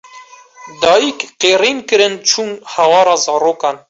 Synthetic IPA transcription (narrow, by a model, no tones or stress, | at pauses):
d̪ɑːjikqeːɾiːnkɨɾɨnt͡ʃʰuːnhæwɑːɾɑːzɑːɾoːkɑːn